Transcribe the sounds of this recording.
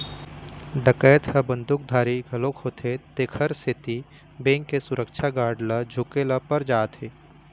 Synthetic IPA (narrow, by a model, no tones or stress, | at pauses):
ɖəkɛːt̪hɐbə̃nd̪ʱʊk̚d̪ʱaːɾiɡʱɐlokɦoːt̪ʰet̪ekʰəɾset̪i | bẽːŋkːesʊɾəkʃʰaɡaːɾɖləd͡ʒʱʊkeləpɐɾd͡ʒaːt̪ʰɦeː